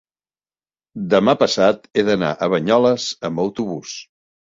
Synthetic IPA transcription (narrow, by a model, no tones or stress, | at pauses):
d̪əmapəsat̪eðəna̰ʔəβəɲɔləzəmbəwt̪uβus